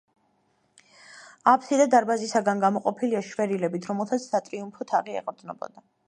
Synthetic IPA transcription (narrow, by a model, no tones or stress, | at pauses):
apʰt̪ʰid̪ad̪aɾbazisaɡanɡamɔqʼɔpʰiliaʃvɛɾilɛbit̪ʰɾɔmɛlˠt̪ʰat̪ssat̪ʼɾiumpʰɔt̪ʰaʁiɛ̰qʼɾd̪znɔ̰bɔ̰d̪a